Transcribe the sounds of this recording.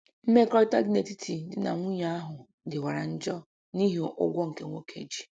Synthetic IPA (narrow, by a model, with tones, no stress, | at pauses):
m̩˦me˦kɔ˦ta̰˦ɡne˨ti˦tʰi˨dɪ˨na̰˨ŋʷu˦ɲa˦a˦ɦʊ˨ | dɪ˨wa˨ɾa˨n̩˦d͡ʒɔ˦ | ni˦ɦi˨ʔʊ̰˦ɡʷɔ˦ŋ̩˨ke˦ŋʷo˦kʰḛ˨d͡ʒi̥˨